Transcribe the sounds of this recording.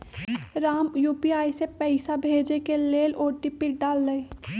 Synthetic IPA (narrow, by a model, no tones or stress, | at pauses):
ɾaːmjuːpiaːisepɛɪsabʱeːd͡ʒekeleːloːɾʈipɪʈ̚ɖaːlːəe